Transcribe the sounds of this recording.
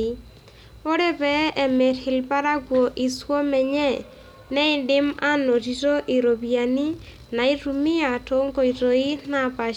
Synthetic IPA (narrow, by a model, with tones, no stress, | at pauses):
i˦ | o˦ɾɛ˦pɛ˦ɛ˨mɛ˨rhɪ˨lpa˦ɾa˦ɡwo˨ʔi˨swo˦mɛ˨ɲɛ˦ | nɛ˦ɪ˨ndɪ˦ma˦no˨ti˨to˦ʔi˨ɾo˨bia˨ni˦ | na˨i˦ɾu˨mɪ˦a˨to˦ŋɡo˨i˨ɾo˨i˦na˨pa˨